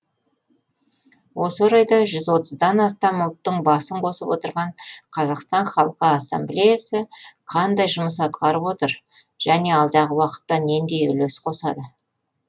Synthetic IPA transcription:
wʔo̞səɾɑjd̪ɑʒʏzwo̞t̪əzd̪ɑnɑst̪ɑmʊlˠt̪ːəɴbɑsəɴqʰo̞səpwo̞t̪əɾʁɑɴqʰɑzɑqst̪ɑɴχɑlˠqəɑsːemblejasəqʰɑnd̪ɑjʒʊməs̬ɑt̪̚qɑɾəpwo̞t̪əɾ | ʒ̥æne̞ɑlˠd̪ɑʁəwɑqə̥t̪ːɑne̞nd̪e̞jʏ̰lesqʰo̞sɑd̪ə

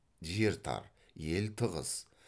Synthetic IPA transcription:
ʒeɾt̪ʰɑ̰ɾ | je̞lt̪ʰəʁə̰z̥

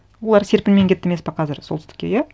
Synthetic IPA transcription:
wo̞lˠɑɾse̞ɾpɪnme̞ŋkʲʰe̞t̪ːeme̞spɑqʰɑzɪɾso̞lˠst̪ɪ̥kʲḛjæ

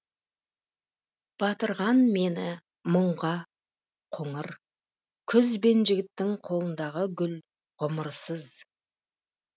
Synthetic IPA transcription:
b̥ɑt̪əɾʁɑnme̞nɪ | məɴʁɑ | qʰoɴəɾ | kʲʰʏzbe̞nʒɪɡʲɪt̪ːɪŋqʰo̞lˠənd̪ɑʁəɡʲʏl | ʁʊməɾsəz

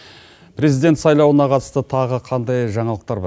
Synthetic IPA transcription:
pʰɾezijd̪et̪sɑjlˠɑwənɑqʰɑt̪ə̥st̪ət̪ʰɑʁəqʰɑnd̪ɑjʒɑɴɑlˠəq̚t̪ɑɾb

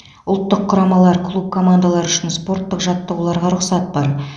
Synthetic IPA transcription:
ʊlˠt̪ːəqʰːʊɾɑmɑlˠɑɾkʰlˠup̚kʰo̞mand̪alˠɑɾʏʃɪnspo̞ɾt̪ːəqʒɑt̪ːəʁulˠɑɾʁɑɾʊqsɑt̪̚bɑɾ

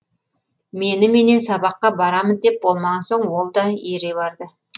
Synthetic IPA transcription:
me̞nɪme̞ne̞nsɑbɑqːɑbɑɾɑmənd̪e̞p̚bo̞lˠmɑʁɑnso̞ɴwo̞lˠd̪ɑeɾe̞βɑɾd̪ə

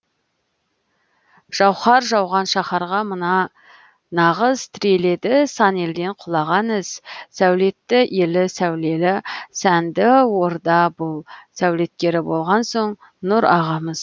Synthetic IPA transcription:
ʒ̥ɑwχɑɾʒɑwʁɑnʃɑχɑɾʁɑmənɑ | nɑʁəzt̪ʰɪɾe̞le̞d̪ɪsɑne̞ld̪e̞ɴqʰʊlˠɑʁɑnɪz̥sæwle̞t̪ːɪje̞lɪsæwle̞lɪsænd̪ɪwo̞ɾd̪ɑbʊlˠsæwle̞t̪̚kʲe̞ɾɪbo̞lˠʁɑnso̞ɴ | nʊɾɑʁɑməz̥

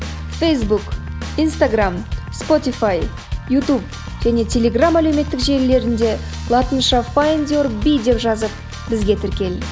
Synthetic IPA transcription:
fejsbuk | ijnst̪aɡramspo̞t̪ifaj | jut̪up̚ | ʒ̥æne̞t̪ʲʰe̞lʲe̞ɡramæleme̞t̪ːɪkʒe̞ɾle̞ɾɪnd̪e̞ | lˠɑt̪ənʃɑfajnd̪ʲorbijd̪e̞pʒɑzəp̚ | bɪzɡʲe̞t̪ʰɪɾkʲe̞l

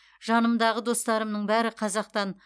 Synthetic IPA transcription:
ʒɑnəmd̪ɑʁəd̪o̞st̪ɑɾəmnəɴbæɾɪqʰɑzɑq̚t̪ɑn

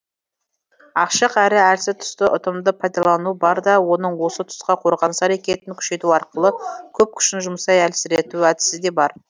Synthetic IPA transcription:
ɑqʃəqæɾɪæɾsɪt̪ʰʊ̥st̪əʔʊt̪əmd̪əpʰɑjd̪ɑlˠɑnuəbɑɾd̪ɑwo̞nəɴwo̞sət̪ʰʊ̥sqɑqʰo̞ɾʁɑnsæɾekʲe̞t̪ɪŋkʲʰʏ̥ʃe̞t̪uɑɾqəlˠəkʲʰɵp̚kʲʰʏ̥ʃɪnʒʊmsɑjælsɪɾe̞t̪uæd̪ɪ̥sɪd̪e̞bɑɾ

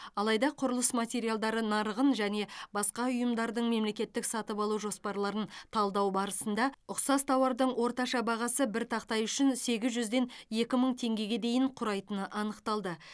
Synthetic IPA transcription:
ɑlˠɑjd̪ɑqʰʊɾəlˠəsmat̪ʲe̞ɾijalˠd̪ɑɾənɑɾʁənʒæne̞bɑsqɑʊjəmd̪ɑɾd̪əɴme̞mle̞kʲe̞t̪ːɪksɑt̪əpɑlˠuʒo̞spɑɾlˠɑɾənt̪ʰɑlˠd̪ɑwbɑɾəsənd̪ɑʊqsɑst̪ʰɑwɑɾd̪əɴwo̞ɾt̪ɑʃɑbɑʁɑsəbɪɾt̪ʰɑqt̪ɑjʏʃɪnse̞ɡʲɪzʒʏzd̪e̞nje̞kʲɪməɴt̪ʰe̞ŋɡʲe̞ɡʲe̞d̪e̞jɪɴqʰʊɾɑjt̪ənəʔɑnəqt̪ɑlˠd̪ə

